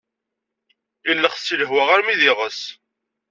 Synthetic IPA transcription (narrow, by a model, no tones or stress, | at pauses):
ilːəχsiləɦwaʁaɾmiðɪʁəs